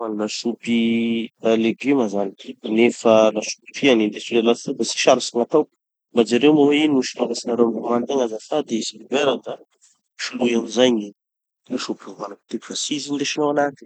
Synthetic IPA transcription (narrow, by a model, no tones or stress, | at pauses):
anlaʃupi | leɡimazaninefəlaʃu̥pi̥fianind̪esulelat̪abasi̥ʃaɾusiŋat̪awku̥ | mbad͡ʒaɾewmawenuʃi̥laɡasinaɾewamumant̪eŋazasad̪esilibeɾad̪a | ʃulujamizajɲi | laʃupiuvanaki̥t̪iki̥fasizind̪eʃinowanat̪i̥